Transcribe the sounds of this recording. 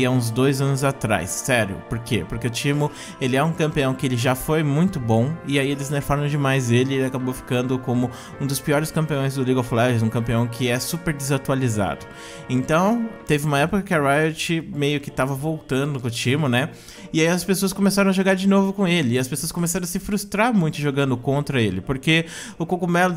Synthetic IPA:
aũzd̪ojzɐ̃nʊzat̪ɾa̰jsːɛɾjʊ̰poɾkḛpoɾkeʊt͡ʃĩmʊ | elɪɛũkɐ̃mpiɐ̃w̃kɪelɪʒafojmũj̃t̪ʊbõw̃ɪaielɪzneɾfaɾɐ̃w̃d͡ʒɪmajzelɪelɪakabowfi̥kɐ̃nd̪ʊkõmʊ | ũd̪ʊspiɔɾɪskɐ̃mpiõj̃zd̪ʊliɡoflɛʒɪzũkɐ̃mpiɐ̃w̃kʰɪɛsupeɾd͡ʒ̪ɪzat̪ualiza̰d̪ʊ | ẽnt̪ɐ̃w̃t̪evɪũmɐɛpʊkɐkɪɐɾajot͡ʃɪmejʊkɪ̥t̪avɐvowt̪ɐ̃nd̪ʊnʊkʊt͡ʃĩmʊnɛ | ɪaiɐspesoɐskõmesaɾɐ̃w̃ɐʒoɡaɾd͡ʒɪnovʊkõw̃elɪːɐspesoɐskõmesaɾɐ̃w̃asɪfɾust̪ɾaɾmũj̃t̪ʊʒoɡɐ̃nd̪ʊkõnt̪ɾɐelɪpoɾke | ʊkokumɛl

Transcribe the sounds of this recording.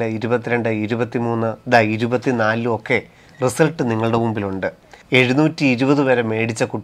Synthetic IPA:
ɐiɾubɐt̪ːiɾe̞ɳɖɨiɾubɐt̪ːimuːnːɨd̪aiɾubɐt̪ːinaːluo̞kːe̞ | risɐlʈːɨniŋːɐɭɽemumbiluɳɖɨ | e̞ɻunuːtːiːɾubɐðɨʋɐɾɐme̞ːɽit͡ɕːɐkuʈː

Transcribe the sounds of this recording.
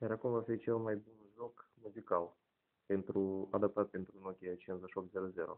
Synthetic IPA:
jaɾakumvafit͡ʃe̞lmajbunʒokmuzikal | pe̞nt̪ɾuad̪ap̚t̪at̪̚pe̞nt̪ɾunokʲeat͡ʃenzaʃok̪zeɾoze̞ɾo̰

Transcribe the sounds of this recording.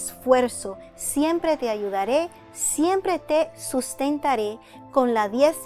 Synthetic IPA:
sfweɾso̞ | sje̞mpɾe̞t̪e̞aʝuðaɾe̞ | sje̞mpɾe̞t̪esust̪e̞nt̪aɾe̞ | ko̞nlaðjes

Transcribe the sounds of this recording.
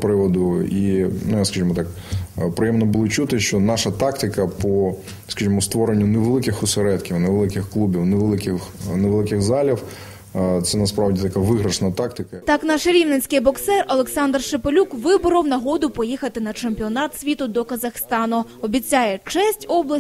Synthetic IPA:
pɾɪʋɔd̪ʊinʊjskɐʒimɔt̪ɑk | pɾɪjɛmnɔbʊlˠɔt͡ʃut̪ɪʃt͡ʃɔnɑʃɐt̪ɑkt̪ɪkɐpɔ | skɐʒimɔst̪ʋɔɾenʲːʊneʋelˠɪkɪxɔseɾɛt̪kʲiwnɛʋelˠɪkɪxklˠubʲiwneʋelˠɪkɪxneʋelˠɪkɪɣzɑlʲiw | t̪sɛnɐspɾɑwdʲit̪ɐkaʋɪɦɾɐʃnɐt̪ɑkt̪ɪkɐt̪ɑknɑʃɾʲiwnet͡sʲkɪjbɔksɛrɔlˠeksɑnd̪rʃepɔlʲukʋɪbʊɾɐwnɐɦɔd̪ʊpɔjixɐt̪ɪnɐt͡ʃemʲpʲiɔnɑt̪sʲʋʲit̪ʊd̪ɔkɐzɐxst̪ɑnʊ | ɔbʲit͡sʲajɛt͡ʃɛsʲtʲɔblˠɐs

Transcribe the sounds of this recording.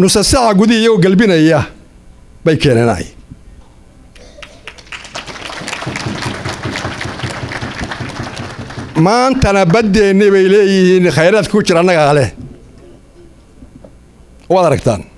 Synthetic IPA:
nʊsɐsɐʕɑɡʊðɪjɐɣɔɡɐlbɪnɐjɐ | bɛjkʰɛːnɐna̰ːj | maːnt̪ʰɐnɐbɐd̪ɛːnɪβɛjlɛːjɪhiːnχɛjɾaːd̪̚kɐkʰʊt͡ʃɪɾːnːɐɣɐːlɛ | ɔwaːd̪ɐɾɐɡt̪ʰa̰ːn

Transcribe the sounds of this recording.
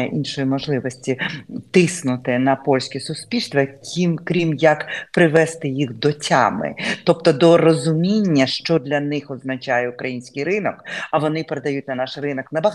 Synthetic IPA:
ɛʔinʃɔjimɔʒlˠɪʋɔsʲtʲit̪ɪsnʊt̪ɪnɐpɔlʲsʲkʲɛsʊsʲpʲilʲst̪ʋɐkʲʰimkɾʲimjɐkpɾɪʋɛst̪ɪjixd̪ɔtʲa̰mɪ̰t̪ɔp̚t̪ɔd̪ɔrɔzʊmʲinʲːɐʃt͡ʃɔd̪lʲɐnɪxɔznɐt͡ʃajɛʊkɾɐjinʲsʲkʲɪjɾɪnɔkɐʋɔnɪpeɾed̪ɐjutʲnɐnɑʃrɪnɔknɐbɐɦ

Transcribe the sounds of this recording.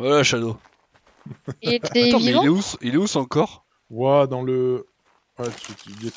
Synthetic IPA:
walaʃad̪o | ieevĩleusileusɑ̃kɔʁ | wad̪ɑ̃lə | wɛt̪et̪d̪e

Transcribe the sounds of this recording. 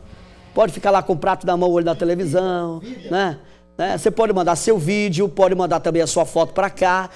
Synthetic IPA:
pɔd͡ʒɪfi̥kaɾlakõpɾat̪ʊnɐmɐ̃w̃olɪnɐt̪elevizɐ̃w̃nɛ | nɛsepɔd͡ʒɪmɐ̃nd̪asewvid͡ʒɪʊpɔd͡ʒɪmɐ̃nd̪aɾt̪ɐ̃mbẽj̃ɐsuɐfɔt̪ʊ̥pɾaka

